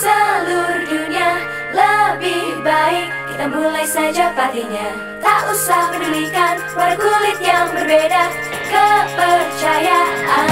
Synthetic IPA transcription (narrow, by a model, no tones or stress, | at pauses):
səluɾd͡ʒuɲia | ləbɪhbaɪkːit̪amulajsad͡ʒapat̪iɲa | t̪aʔusahmənulikankəpaɾakulɪt̪̚jaŋbərbeda | kəpərt͡ʃajaa